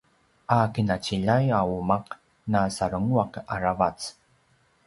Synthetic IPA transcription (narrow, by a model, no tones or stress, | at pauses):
ʔakinat͡ɕiʎajaumaq | nasaɾəŋuaqa̰ɾavat͡s